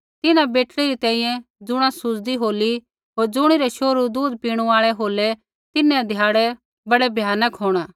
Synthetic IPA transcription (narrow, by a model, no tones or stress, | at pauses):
t̪ɪnãbeːʈliɾit̪ɛ̃ːĩjɛ̃d͡zʊɽ̃ãsʊd͡zd̪iɦoːli | ɦoːɾd͡zʊɽ̃iɾɛʃoːɾud̪uːd̪piːɽ̃uaːɭɛɦoːlɛ | t̪ɪnɛ̃d̪ʱjaːɽɛ | bɐɽɛbʱjaːnəkɦoːɽ̃aː